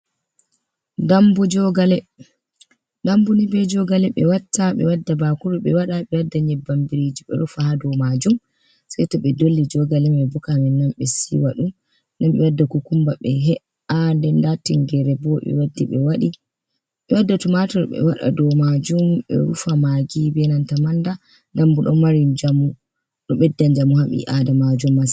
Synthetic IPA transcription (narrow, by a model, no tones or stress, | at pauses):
dambud͡ʒɔɡalɛ | dambunibɛd͡ʒɔɡalɛɓɛwatːaɓɛ̰wadːabakuɾuɓɛwaɗaɓɛwadːaɲɛbambiɾed͡ʒiɓɛ̰ɾufahadɔmad͡ʒum | sajtɔɓɛdolːid͡ʒɔɡalɛmɛbukamɛnːamɓɛsiwaɗum | nanɓɛwadːakukumbaɓɛɦɛ | andɛndatiŋɡɛɾɛbɔɓɛ̰wadːiɓɛwaɗi | ɓɛwadːatumatɔɾɓɛ̰waɗa̰dɔmad͡ʒumɓɛ̰ɾufamaɡibɛnantamanda | ndambuɗɔ̰maɾind͡ʒamu | ɗɔɓɛdːaɲd͡ʒamuhaɓḭʔadɛmad͡ʒumːas